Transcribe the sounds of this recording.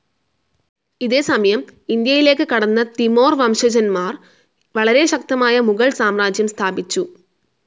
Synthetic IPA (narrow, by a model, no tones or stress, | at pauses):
iðe̞ːsɐmɐjɐmind̪jɐjile̞ːkːɨkɐɽɐnːɐt̪imo̞ːrʋɐmɕɐd͡ʑɐnmaːr | ʋɐɭɐɾe̞ɕɐk̚t̪ɐmaːjɐmuɣɐɭsaːmraːd͡ʑjɐmst̪ʰaːbit͡ɕːu